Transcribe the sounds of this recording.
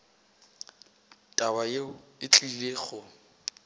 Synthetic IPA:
tʼabajeɪt͡ɬʼileːχʊ

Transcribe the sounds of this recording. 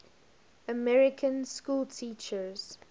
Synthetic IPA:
əmɛɹɪkʰə̃nskuːlˠtʰiːt͡ʃəz̥

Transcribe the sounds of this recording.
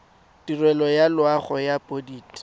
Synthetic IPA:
dirwɛlɔjalwaχɔjapʼodiːt

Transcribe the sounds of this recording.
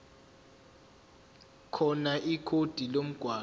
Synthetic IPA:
kʰɔnaʔikʰod̥ʱilom̩ɡ̥ʱwaː

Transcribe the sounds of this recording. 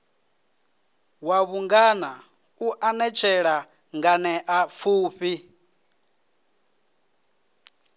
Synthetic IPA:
waβuŋɡana | uʔanɛt͡ʃʰɛɺa | ŋɡanɛʔafuːɸi

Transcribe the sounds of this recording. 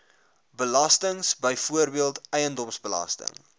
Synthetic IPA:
bəlɐstəŋsbəjfuərbiəlˠtɛjəndɔmsbəlɐ̰stə̰ŋ

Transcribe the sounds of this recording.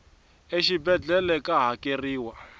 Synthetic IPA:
eʃibɛd͡ɮɛlɛkʼaɦakʼeriːwa

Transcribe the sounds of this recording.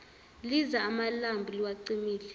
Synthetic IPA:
lizaːmalambʱuliwaǀimiːlɛ

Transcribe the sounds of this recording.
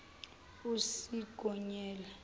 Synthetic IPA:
usiɡ̥ʱɔɲɛːlɛ

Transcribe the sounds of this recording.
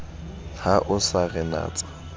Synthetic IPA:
haʔʊsaɣɛna̰ːt͡sʼḁ

